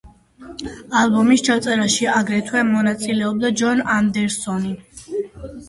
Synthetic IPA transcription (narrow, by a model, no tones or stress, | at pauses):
albɔmist͡ʃʰat̪sʼɛɾaʃiaɡɾɛt̪ʰwɛmɔnat̪sʼilɛɔb̚d̪ad͡ʒɔnand̪ɛɾsɔni